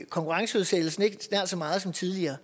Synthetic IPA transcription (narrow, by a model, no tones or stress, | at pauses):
kʰɒ̽ŋkʰuʁɑ̈ŋsəuð̞ˠseɡ̥l̩sn̩e̝ɡ̥snæɐ̰d̥sɒ̽mɑ̈ːð̞̩ˠsɒ̽mt͡sʰiðˠliɐː